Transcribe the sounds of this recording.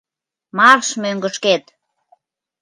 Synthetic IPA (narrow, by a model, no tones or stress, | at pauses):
mɑrʃmøŋɡəʃket̪